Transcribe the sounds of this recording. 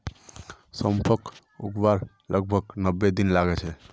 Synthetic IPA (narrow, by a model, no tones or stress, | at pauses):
səmpʰək | ṵɡbaɾ | ləɡ̚bʱəɡnəbːed̪inlaɡɛt͡ʃʰɛ